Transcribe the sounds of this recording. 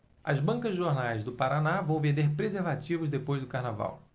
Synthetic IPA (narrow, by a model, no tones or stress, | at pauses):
ɐzbɐ̃ŋkɐzʒoɾnajzd̪ʊpaɾanavɐ̃w̃vẽnd̪eɾpɾezeɾvat͡ʃivʊzd̪epojzd̪ʊkaɾnava̰w